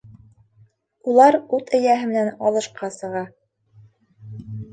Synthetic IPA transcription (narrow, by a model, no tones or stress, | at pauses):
ulˠɑɾut̪ɘ̆jæɦɘ̆mɘ̆nænɑlˠɤ̆ʃqɑsɤ̆ʁɑ